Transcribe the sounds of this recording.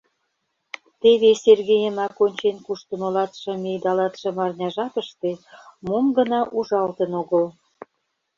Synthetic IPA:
t̪eβeserɣejəmɑkonʲt͡ɕenkuʃt̪ə̆molɑt̪ʃɤ̆mejd̪ɑlɑt̪ʃɤ̆mɑrnʲɑʒɑp̪ə̆ʃt̪emomɡə̆nɑʔuʒɑlt̪ənoɣəl

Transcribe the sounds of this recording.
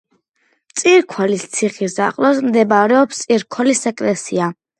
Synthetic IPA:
mt̪sʼiɾkʰwalist̪sʰiχisa̰qʼlɔsmd̪ɛbɾɛɔpst̪sʼiɾkʰwɛlisɛkʼlɛsia

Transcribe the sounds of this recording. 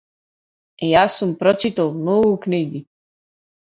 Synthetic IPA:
jaːsumpɾɔt͡ʃit̪alˠmnoɡukniɡi

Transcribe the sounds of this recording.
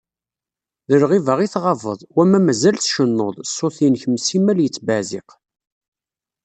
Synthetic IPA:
ðəɾʁivəʁiθʁɑvə̰ðˤwæmːæmæzælθʃənːoðˤsːoθinçəmsimæljət͡sːbæzḭq

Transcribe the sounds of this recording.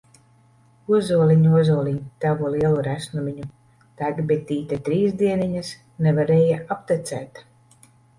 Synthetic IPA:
uɔzuɔlʲiɲuɔzuɔlʲiɲt̪avuliɛlˠuɾæsnumʲiɲu | t̪aɡbit̪ʲiːt̪ʲat̪ɾiːzd̪iɛniɲas | nevaɾɛːjaap̚t̪ɛt̪sæ̰ːt̪

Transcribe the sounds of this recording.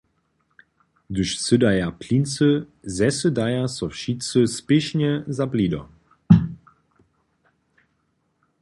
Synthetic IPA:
d̪ɵʃsødajapʰlint͡sə | zɛsədajasɔfʃit͡səspɪʃnəzablidɔ

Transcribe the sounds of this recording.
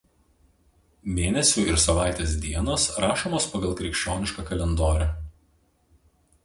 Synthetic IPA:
mʲeːnʲɛsʲʊɪɾsɐʋɑˑɪt̪ʲeːs̬d̪ʲiɛnoːsɾɑːʃoːmoːspɐɡɐlˠkɾʲɪkʃʲt͡ʃʲoːnʲɪʃkɑkɐlʲɛnd̪oːɾʲæ

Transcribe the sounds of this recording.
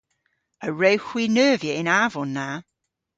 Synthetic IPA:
əɹəʊhw̥iːnɜːvjəɪ̃naːvɔ̃nːaʊ

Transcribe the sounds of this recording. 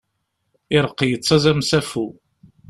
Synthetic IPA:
ɪɾəqːijət͡sːɑzæmsæfu

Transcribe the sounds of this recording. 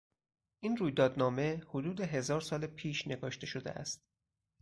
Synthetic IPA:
ʔinruːjd̪ɒːd̪nɒːme̞hod̪uːd̪e̞ɦe̞zɒːɾsɒːlepʰiːʃne̞ɡɒːʃt̪e̞ʃod̪ḛʔæ̰st̪̚

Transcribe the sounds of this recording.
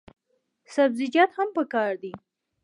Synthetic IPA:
sabzɪd͡ʒɑt̪hampəkɑɾd̪i

